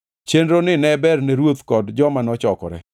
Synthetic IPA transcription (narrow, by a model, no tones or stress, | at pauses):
t͡ʃenɾonɪnɛbɛrnɛɾwot̪kɔdd͡ʒɔmanɔt͡ʃɔkɔ̰ɾɛ̰